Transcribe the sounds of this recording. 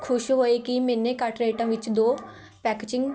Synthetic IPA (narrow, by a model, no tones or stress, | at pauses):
kʰʊʃɦoːeːkimeːnẽːkəʈɾeːʈãːʋɪt͡ʃd̪oː | pɛːkeːd͡ʒɪ̃ŋɡ